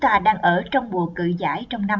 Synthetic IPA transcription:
t̪aː˧˩ɗaː˧ŋʔəː˧˩t͡ɕɔ˧wŋ͡mɓu˨˩əkɨ̰˧˨za̰ː˧˥˦jt͡ɕɔ˧wŋ͡mna˧m

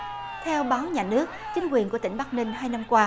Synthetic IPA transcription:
t̪ʰɛ˧wɓaː˨˦wɲaː˨˩nɨ˦˥ək̚t͡ɕï˨˦ŋ̟kwi˨˩ənku˧˩ət̪ŋ̟ɓa˦˥k̚nï˧ŋ̟ɦaː˧jna˧mkwaː˧

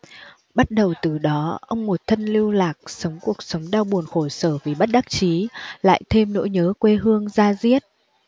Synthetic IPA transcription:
ɓa˦˥t̚ɗə˨˩wt̪ɨ˨˩ɗɔ˨˦ʔə˧wŋ͡mmo˨˩t̚t̪ʰə˧nli˧əwlaː˨˩k̚sə˨˦wŋ͡mku˨˩ək̚sə˨˦wŋ͡mɗaː˧wɓu˨˩ənxo˧˩səː˧˩vi˨˩ɓa˦˥t̚ɗa˦˥k̚t͡ɕi˨˦la̰ː˧˨jt̪ʰe˧mno̰˧˥jɲəː˨˦kwe˧ɦɨ˧əŋzaː˧zi˦˥ət̚

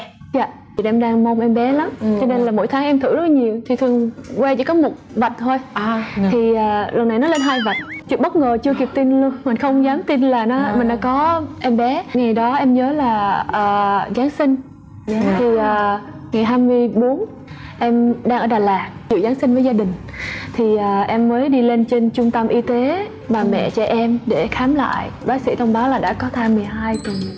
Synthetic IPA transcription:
za̰ː˧˨ | i˨˩ʔɛ˧mɗaː˧ŋmə˧wŋ͡mʔɛ˧mɓɛ˨˦la˨˦mt͡ɕɔ˧ne˧nlaː˨˩mo̰˧˥jt̪ʰaː˨˦ŋʔɛ˧mt̪ʰɨ̰˧˩lə˦˥la˧ɲi˨˩əwt̪ʰi˨˩t̪ʰɨ˨˩əŋkwɛ˧t͡ɕḭ˧˩kɔ˨˦mo˨˩t̚va˨˩jt̟̚t̪ʰo˧jt̪ʰi˨˩ʔəː˨˩lə˨˩nːa˨˩jnɔ˨˦le˧nɦaː˧jva˨˩t̚t͡ɕɨ˨˦ɓə˦˥t̚ŋəː˨˩t͡ɕɨ˧əki˨˩əp̚t̪i˧nlu˧ənmï˨˩n̟xə˧wŋ͡mzaː˨˦mt̪i˧nlaː˨˩nɔ˨˦mï˨˩ɗa̰ː˧˦kɔ˨˦ʔɛ˧mɓɛ˨˦ŋa˨˩jɗɔ˨˦ʔɛ˧mɲəː˨˦laː˨˩ʔəː˨˩zaː˨˦nsï˧ŋ̟ | t̪ʰi˨˩ʔəː˨˩ | ŋa˨˩jɦaː˧jmɨ˧əjɓo˨˦n | ʔɛ˧mɗaː˧ŋʔəː˧˩ɗaː˨˩laː˨˩k̚t͡ɕḭ˧˨wzaː˨˦nsï˧ŋ̟vəː˨˦jzaː˧ɗï˨˩ŋ̟ | t̪ʰi˨˩ʔəː˨˩ʔɛ˧mːəː˨˦jɗi˧le˧nt͡ɕe˧nt͡ɕʊ˧ŋ͡mt̪ə˧mʔi˧t̪e˨˦ | ɓaː˨˩mɛ̰˧˨t͡ɕɔ˧ʔɛ˧mɗe˧˩xaː˨˦mla̰ː˧˨jɓaː˨˦k̚sḭ˧˥t̪ʰə˧wŋ͡mɓaː˨˦wlaː˨˩ɗa̰ː˧˥kɔ˨˦t̪ʰaː˧jmɨ˨˩əjɦaː˧jt̪ʊ˨˩

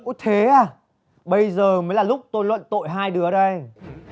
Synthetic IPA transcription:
kṵ˧˥t̪ʰe˨˦ʔaː˨˩ | ɓə˧jzəː˨˩məː˨˦jlaː˨˩lʊ˦˥k͡p̚t̪o˧jlwə̰˧˨nt̪o̰˧˨jɦaː˧jɗɨ˨˦əə˦˨˩ɗə˧j

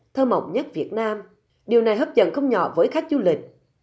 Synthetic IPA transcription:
t̪ʰəː˧mə̰˧˨wŋ͡mɲə˦˥t̚vi˨˩ət̚naː˧m | ɗi˨˩əwna˨˩jɦəː˦˥p̚zə̰˧˨nxə˧wŋ͡mɲɔ̰˧˨vəː˨˦jxa˦˥k̟̚zu˧lï˨˩k̟̚

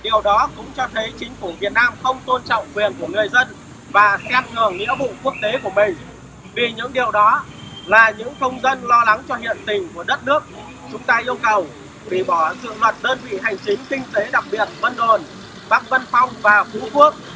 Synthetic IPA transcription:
ɗi˨˩əwɗɔ˨˦kʊ̰˧˥ŋ͡mt͡ɕɔ˧t̪ʰə˨˦jt͡ɕï˨˦ŋ̟fu˧˩vi˨˩ət̚naː˧mxə˧wŋ͡mt̪o˧nt͡ɕɔ̰˧˨wŋ͡mkwi˨˩ənku˧˩əŋɨ˨˩əjzə˧n | vaː˨˩sɛ˦˥p̚ŋɨ˨˩əŋŋḭ˧˥əvṵ˧˨ku˦˥ək̚t̪e˨˦ku˧˩əmï˨˩ŋ̟ | vi˨˩ɲɨ̰˧˥ŋɗi˨˩əwɗɔ˨˦ | laː˨˩ɲɨ̰˧˥ŋt̪ʰə˧wŋ͡mzə˧nlɔ˧la˨˦ŋt͡ɕɔ˧hḭ˧˨ənt̪ï˨˩ŋ̟ku˧˩əɗə˦˥t̚nɨ˦˥ək̚ | t͡ɕʊ˨˦ŋ͡mt̪aː˧ʔi˧əwkə˨˩w | ɓi˨˩ɓɔ˧˩zɨ̰˧˨lwə˨˩t̚ɗəː˧nvḭ˧˨ɦa˨˩jŋ̟t͡ɕï˨˦ŋ̟kï˧ŋ̟t̪e˨˦ɗa˨˩k̚ɓi˨˩ət̚və˧nɗo˨˩n | ɓaː˦˥k̚və˧nfɔ˧wŋ͡mvaː˨˩fṵ˨˧˥ku˦˥ək̚

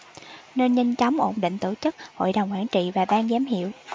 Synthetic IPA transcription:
ne˧nɲə˧ŋt͡ɕɔ˨˦wŋ͡mʔo˧˩nɗḭ̈˧˨ŋ̟t̪ɨ˧˩t͡ɕɨ˦˥k̚ho̰˧˨jɗə˨˩wŋ͡mkwaː˧˩nt͡ɕḭ˧˨vaː˨˩ɓaː˧ŋzɛ˨˦mɦḭ˧˨əw

